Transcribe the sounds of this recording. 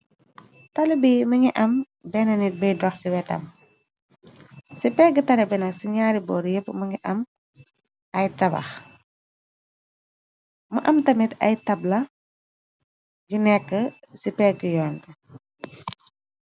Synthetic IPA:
tɐlibiməŋiʔɐm | bɛnɐnit̚bəjdɔxsiwɛtɐ̰m | sipɛɡətɐlɐbɛnɐksiɲaːɾibɔːɾjəpːəməŋɡiʔɐm | ɐjtɐbɐ̰x | məʔɐmtɐmitɐ̰jtɐblɐ | ɟunɛkːə | sipɛɡəjɔːntə

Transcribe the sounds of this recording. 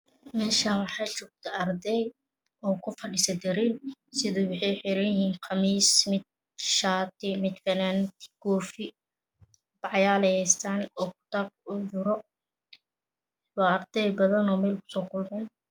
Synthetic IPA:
mɛːʃaːwɑħɑjt͡ʃʊk̚t̪ʰɐʔɐɾd̪ɛj | ɔːkʰʊfɐɖɪsɐd̪ɛɾɪnsɪðuwɑħɑjħɪɾɐjhiːnqʰɑmiːsmɪd̪̚ | ʃaːt̪ɪmɪd̪fɐnaːnt̪ʰɪ̥ɡ̥ɔːfɪ | bɑʕjaːlɛjɛst̪aːnɔːkʰʊ̥t̪ab̚ʊd͡ʒʊɾɔ | wɑːɐrd̪ɛjbɐðɐnɔːmɛːlkʰʊ̥sɔːkʰʊlmɛn

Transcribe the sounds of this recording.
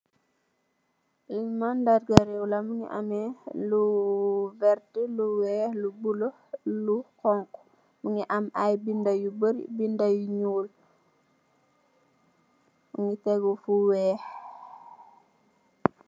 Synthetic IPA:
liɲmandaɾɡaɾɛwlɐmuŋḭʔa̰mɛlu | vɛɾtəluwɛːhlubulo | lukɔŋk | muŋiʔɐmajbindajubəɾ̰bindajuɲuːl | muŋitɛɡɔfuwɛːh

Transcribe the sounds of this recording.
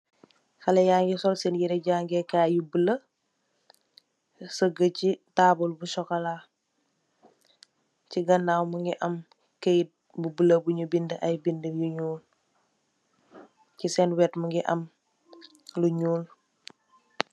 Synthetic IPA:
xɐlɛjaːŋɡɛsɔlsɛnjiɾɛɟaːŋɡɛkaːjubələ | səɡəcitaːbulbusɔkɐla | ciɡɐnːaːwməŋɡiʔɐm | kejt̚ | bubələbuɲubindəʔɐjbindəjuɲuːl | cisɛnwɛtməŋɡiʔɐm | luɲuːl

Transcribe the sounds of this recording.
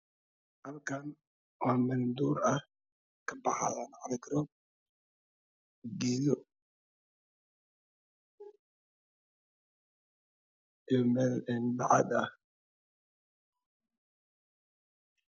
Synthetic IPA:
hɐlkʰɐn | wɑːmɐnd̪uːɾɐ | kʰɐbɑħɑ̰ðanʕɑlɡɾɔ | ɡɛːðɔ | ijɔmɛːlɛndɑ̰ʕɑd̪ɐ

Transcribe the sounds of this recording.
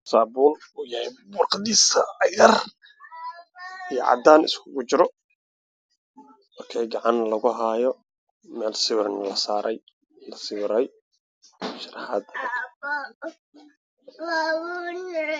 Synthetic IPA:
saːbuːl | ʊjɐhɛbʊrqɑd̪iːsɐːjɐr | ijɔʕɑ̰d̪aːnɪ̰skʰʊɣʊt͡ʃɪɾɔ | ɔːkʰɛjɡɑʕɑnlɐɣʊɦaːjɔ | mɛːlsɪβɪrnɐlɐsaːɾʔɛ̰j | lɐsɪβɪɾɛj | ʃɪɾħaːd̪kʰ

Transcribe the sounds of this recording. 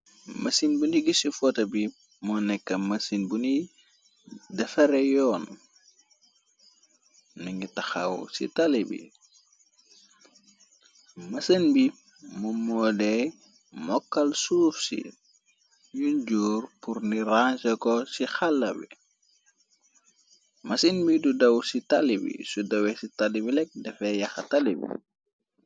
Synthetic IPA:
mɐsinbuniɡisifɔtɐbi | mɔnɛkːɐmɐsinbuni | dɛfɐɾɛjɔːn | niŋɡitɐxɐ̰wsḭtɐlibḭ | mɐsənbi | mumɔdɛ | mɔkːɐlsuːfsḭ | juɲɟuːrpuɾniɾansəkɔsixalːɐbḭ | mɐsənbidudɐwsitalibḭsudɐwɛsitalibilɛk̚dɛfɛjɐxɐtalibḭ

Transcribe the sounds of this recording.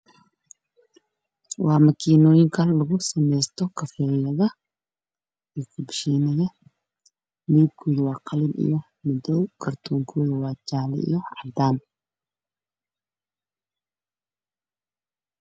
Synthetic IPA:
wʔɑːmɐkʰiːnɔːjɪŋkʰɐlɐɣʊsɐmɛjst̪ʰɔkʰɐfɛːjɐðɐ | iːkʰʊbʃiːnɐjɐ | liːb̚kʰɔːðʊwɑːqʰɑlɪbḭjɔ | mʊd̪ɔkʰɐrt̪ʰɔːŋkʰɔːðʊwɑːt͡ʃaːlɪ̰ḭjɔʕɑd̪aːn

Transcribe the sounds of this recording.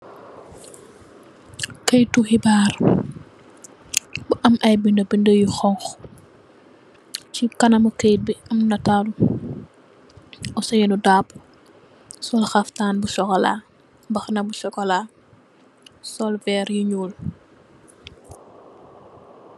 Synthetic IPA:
kɐjtːuxibaːr | buʔɐmɐjbindəbindəjuxɔŋx | cikɐnɐmukejt̚biɐmnɐtalu | ɔsɐjɛnudaːpː | sɔlxɐftaːnbuʃɔkɔla̰ː | bɐxnɐbuʃɔkɔla | sɔlvɛɾjiɲuːl

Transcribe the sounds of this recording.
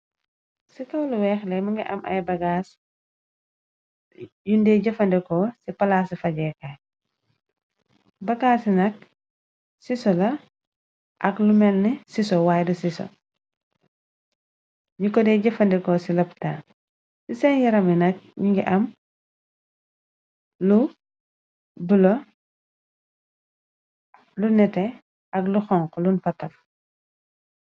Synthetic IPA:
sikɐwluwɛːxlɛmɐŋɡiʔɐ̰mʔɐ̰jbɐɡaːs | jundɛːɟɐfɐndɛkɔsipɐlaːsifɐɟɛːka | bɐɡaːsinɐk̚ | sisɔlɐ | ʔɐklumɛlnisisɔwaːjdusiso̰ | ɲukɔdɛɟɐfɐndɛkɔsilɐptaː | sisɛnjɐɾɐminɐk̚ɲiŋɡiʔɐm | lu | bulo | lunɛtɛ | ɐkluxɔŋklunfɐkɐf

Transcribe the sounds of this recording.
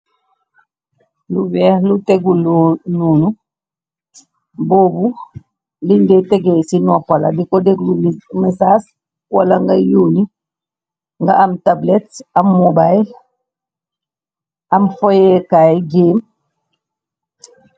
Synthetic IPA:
luwɛhluteɡulnuːnu | boːbu | lindɛtɛɡesinɔpala̰dikɔdeɡlumɛsas | walaŋɡajuːni | ŋɡaamtabletamːobajl | amfɔjɛkajɡeːm

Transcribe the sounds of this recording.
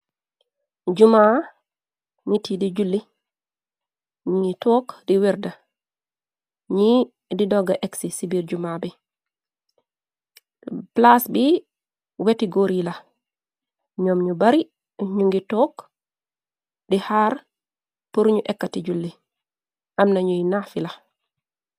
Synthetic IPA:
d͡ʒuma | nitidid͡ʒulːi | ɲuŋɡitɔːkdiwiɾda | ɲi | didɔɡːaʔɛksisibiɾd͡ʒumabɛ | plasbi | wetiɡoɾila | ɲɔmɲubaɾi | ɲuŋɡitɔk | dihaːɾ | puɾɲuʔɛkːatid͡ʒulːi | ʔamnaɲujnafila

